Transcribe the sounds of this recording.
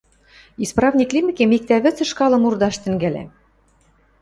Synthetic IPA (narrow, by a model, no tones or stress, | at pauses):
isprɑvnʲiklʲimikʲemik̚t̪æβɘ̆t͡sɘ̆ʃkɑlˠɤ̆murd̪ɑʃt̪ɘ̆ŋɡælʲæ̰